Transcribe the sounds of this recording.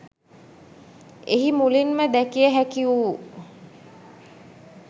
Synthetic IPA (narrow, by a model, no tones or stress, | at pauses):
eɦimulinməd̪ækijəɦækiuː